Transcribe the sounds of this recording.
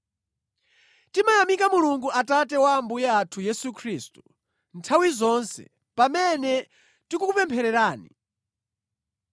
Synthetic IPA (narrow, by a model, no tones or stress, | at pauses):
timajamikamuluŋɡuatatɛwambujaːtʰujɛsukʰɾiːstu | ntʰawizɔnsɛ̰ | pamɛnɛ | tikukupɛmpʰɛɾɛɾaːni